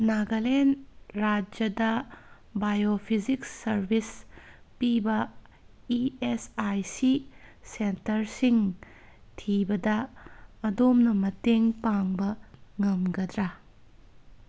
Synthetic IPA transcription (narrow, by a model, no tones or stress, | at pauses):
naɡɐlenɾad͡ʒɐdɐ | bajopʰiziksɐɾbʱis | pibɐ | iesajsisentɐɾsiŋ | tʰibɐdɐː | domnɐmɐteŋpaŋbɐŋɐmɡɐd̪ɾa